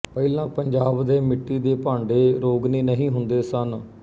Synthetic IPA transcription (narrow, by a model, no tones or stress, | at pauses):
pəilãːpəɲd͡ʒaːbd̪eːmɪʈːiːd̪eːpãːɳɖeːɾoːɡniːnəɦĩːɦʊnd̪eːsən